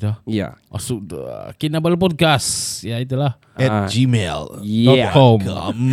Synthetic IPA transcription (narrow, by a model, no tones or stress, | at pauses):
t̪lahja̰ʔɔ̰suk̚də̰kinabəlp̬ɔt̚kasjait̪ulah | ɛt̚d͡ʒimɛ̰l̚kɔm